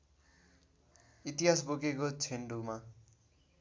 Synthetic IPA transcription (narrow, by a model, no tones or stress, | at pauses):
it̪iɦasbokekot͡sʰeɳɖuma